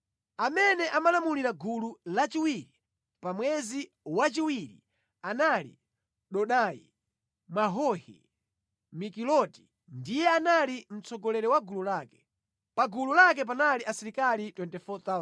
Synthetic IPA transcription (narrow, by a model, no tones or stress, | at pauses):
amɛnɛʔamalamuliɾaɡululat͡ʃiwiɾi | pamwɛzi | wat͡ʃiwiɾḭ | analḭ | ɗɔɗajḭ | maɦɔhḭ | mikilɔti̥ | ndijɛanalim̩t͡sɔɡɔlɛɾɛwaɡululakɛ̥ | paɡululak̬ɛp̬analiʔasiɾikalitwɛntɛfɔt̪a